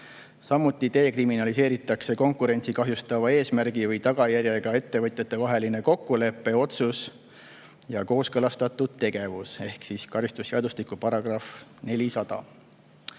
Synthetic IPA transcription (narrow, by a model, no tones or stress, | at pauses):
sɑmːut̪ːˑit̪e̞ːkriminɑlise̞ːɾit̪ːˑɑkse̞ko̞ŋkuɾe̞nʲt̪sikɑɦjust̪ɑvɑe̞ːsmæɾɡ̥ivɤjt̪ɑɡ̥ɑjæɾjeɡ̥ɑe̞t̪ːe̞vɤt̪ʲjɑt̪ːˑe̞vɑɦe̞line̞ko̞kːule̞pːe̞o̞t̪sus | jɑko̞ːskɤ̞lɑst̪ɑt̪ːˑud̪̥̚t̪e̞ɡ̥e̞vuse̞hksiskɑɾist̪usːeɑd̪ust̪ikupɑɾɑɡ̥rɑfne̞lʲisɑd̪̥ɑ̰